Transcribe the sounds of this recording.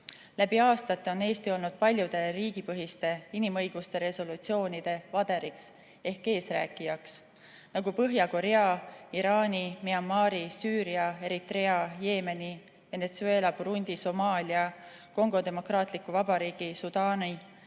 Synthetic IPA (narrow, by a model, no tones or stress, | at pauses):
læbiɑːst̪ɑt̪ːˑeo̞ne̞ːst̪io̞lnud̪̥̚pɑlʲjud̪̥e̞ɾiːɡ̥ipɤɦist̪e̞inimɤjɡ̥ust̪e̞ɾe̞so̞lut̪sio̞ːnid̪̥e̞vɑd̪̥e̞ɾiks | e̞hkːe̞ːsræ̰ːkːˑijɑks | nɑɡupɤɦjɑko̞ɾe̞ɑiɾɑːnimiɑmːɑːɾisyːɾiɑe̞ɾit̪re̞ɑje̞ːme̞ni | ve̞ne̞t̪sue̞ːlɑpuɾunʲd̪̥iso̞mɑːlʲiɑ | ko̞ŋɡ̥o̞d̪e̞mo̞krɑːt̪ˑlikːuvɑbɑɾiːɡ̥isud̪̥ɑːni